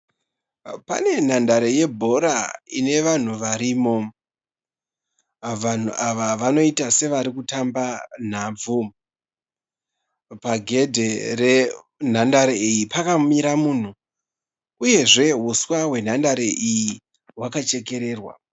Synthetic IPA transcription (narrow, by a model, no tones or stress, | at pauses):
pa̰ne̞n̤andaɾe̞je̞bʱo̞ɾaine̞ʋan̤uʋaɾimo̞ | ʋan̤uʔaʋaʋano̞itase̞ʋaɾikutamban̤ab͡vu | paɡʱe̞dʱe̞re | n̤andaɾeijipakamiɾamuːn̤u | uje̞ʐe̞ɦuswawe̞n̤andaɾeʔiji | ɦwakat͡ʃe̞ke̞ɾe̞ːrwa̰